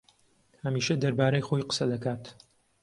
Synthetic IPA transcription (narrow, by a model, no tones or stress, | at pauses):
hɐmiːʃɐd̪ɐɾbaːɾɐjxojqə̥sɐd̪ɐkaːt̪